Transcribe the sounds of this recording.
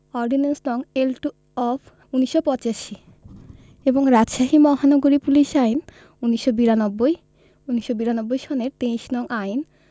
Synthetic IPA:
ɔɾɖinensnɔŋelʈu | ɔb | uniʃːopɔt͡ɕaʃi | eboŋɾad͡ʑʃaɦimɔɦanoɡoɾipuliʃajn | uniʃːobiɾanɔbːoj | uniʃːobiɾanobːojʃɔneɾt̪ejʃnɔŋʔajn

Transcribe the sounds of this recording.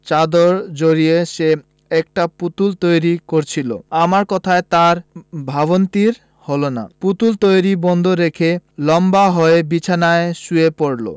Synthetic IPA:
t͡ɕad̪oɾd͡ʑoɾieʃe | ɛk̚ʈaput̪ult̪ojɾikoɾt͡ɕʰilo̰amaɾkɔt̪ʰaet̪aɾbʱaβont̪iɾ | holona̰put̪ult̪ojɾibɔnd̪ʱoɾekʰelɔmbaɦɔebit͡ɕʰanaeʃuepoɽlo̰

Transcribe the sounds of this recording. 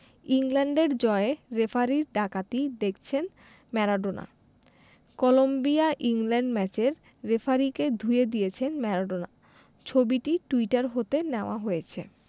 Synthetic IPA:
iŋlɛɳɖeɾd͡ʑɔeeɾefʰaɾiɾɖakat̪id̪ek̚ʰt͡ɕʰen | mɛɾaɖona̰ | kɔlombiaʔiŋlɛɳɖmɛt͡ɕeɾː | efʰaɾiked̪ʱujed̪ijet͡ɕʰenmɛɾaɖona̰ | t͡ɕʰobiʈiʈuiʈaɾɦot̪eneoaɦojet͡ɕʰe

